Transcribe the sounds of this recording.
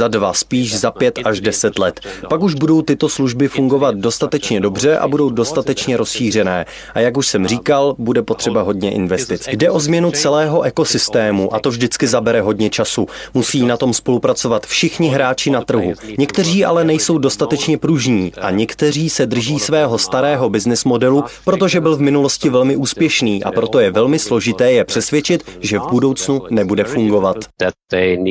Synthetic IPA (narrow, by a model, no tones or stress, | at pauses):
zadvaspiːʒzapjɛt̪ʔaʒdɛsɛt̪lɛt̪pakuʒbudowt̪ɪt̪o̞sluʒbɪfuŋɡo̞vat̪̚do̞st̪at̪ɛt͡ʃɲɛdo̞br̝ɛʔa̰budo̞wdo̞st̪at̪ɛt͡ʃɲɛɾo̞sʃiːr̝ɛnɛː | ʔajakuʃsɛmriːkalbudɛpo̞t̪r̥ɛbaɦo̞dɲɛʔɪ̰nvɛst̪ɪt͡sjdɛʔo̞zmɲɛnut͡sɛlɛːɦo̞ʔɛko̞sɪst̪ɛːmuʔa̰t̪ovʒdɪt͡skɪzabɛɾɛɦo̞dɲɛt͡ʃasumusiːnat̪o̞mspo̞lupɾat͡so̞vat̪fʃɪxɲɪɦɾaːt͡ʃɪnat̪r̩ɦuɲɛkt̪ɛriːʔa̰lɛnɛjso̞wdo̞st̪at̪ɛt͡ʃɲɛpɾuʒɲiːʔa̰ɲɛkt̪ɛr̝iːsɛd̪r̩ʒiːsvɛːɦo̞st̪aɾɛːɦo̞bɪznɪsmo̞dɛlupɾo̞t̪o̞ʒɛbɪlvmɪnulo̞scɪvɛlmɪʔuːspjɛʃniːʔa̰pɾo̞t̪o̞jɛvɛlmɪslo̞ʒɪt̪ɛːjɛpr̥ɛsvjɛt͡ʃɪt̪ʒɛvbudo̞wt͡snunɛbudɛfuŋɡo̞vat̪